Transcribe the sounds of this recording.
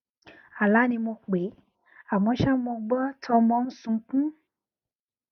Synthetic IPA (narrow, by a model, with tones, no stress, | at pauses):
a˨la˨˦nĩ˧mo˧k͡pe˨˦ | a˨mɔ̃˧˦ʃa˦mo˧ɡ͡bɔ˦tʰɔ˧mɔ̃˧˦n̩˦sũ˧k͡pũ˦